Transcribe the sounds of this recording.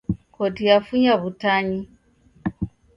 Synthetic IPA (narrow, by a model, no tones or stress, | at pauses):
kotijafuɲaβutaɲi